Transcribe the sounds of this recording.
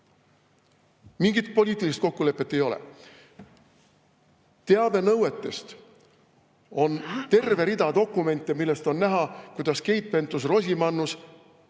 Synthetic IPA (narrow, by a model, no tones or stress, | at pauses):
miŋɡit̪po̞lʲiːt̪ːˑilist̪̚ko̞kːule̞pːˑe̞t̪ːe̞jo̞lḛ | t̪e̞ɑve̞nɤwe̞t̪ːˑe̞st̪ | o̞nt̪e̞rve̞ɾid̪̥ɑd̪o̞kːˑume̞nʲt̪ːˑimilːest̪o̞nːæɦɑkujd̪̥ɑske̞jpːˑe̞nt̪us̬ro̞s̬ʲimɑnːus